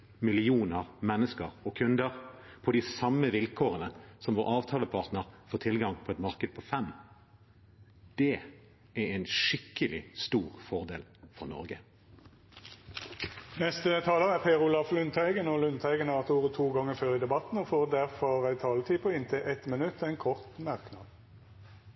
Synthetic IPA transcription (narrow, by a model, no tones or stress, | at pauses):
mɪlɪuːnəʁmɛnːəskəʁɔkʰʉnd̪əʁ | pʰɔd̪ɪsɑmːəʋɪlkʰoːʁənəsɔmʋoːɾʔɑːʋt̪ʰɑːləpʰɑːʁt̪nəʁfoːʁt̪ʰɪlɡɑŋpʰɔɛt̪mɑʁkəd̪̚pʰɔfɛm | d̪̥ɛ | æʁæɪnʃɪkːəlɪst̪uːʁfɔʁd̪ḛːlfɔʁnɔ̰ʁɡə | nɛst̪ət̪ʰɑːləʁəæʁpʰeːʁʊlɑflʉnt̪ʰæɪɡənɔlʉnt̪ʰæɪɡənɑʋɑt̪ʰuːʁət̪ʰuːɡɑŋəføːʁiːd̪ɛbɑt̪n̩ɔfoːʁd̪æʁfɔʁæɪt̪ʰɑːlət̪ʰiːpʰɔɪnt̪ʰɛːʔɛt̪mənʉt̪ːɛɪnkʰɔʁt̪mɑʁknɑːd̪